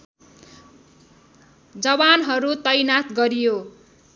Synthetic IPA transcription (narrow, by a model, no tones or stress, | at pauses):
d͡zʌβanɦʌɾut̪ʌjnat̪ɡʌɾijo